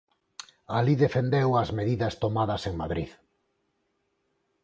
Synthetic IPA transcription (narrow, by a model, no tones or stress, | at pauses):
aliðefend̪ewɐzmeðiðɐst̪omaðɐseŋmaðɾið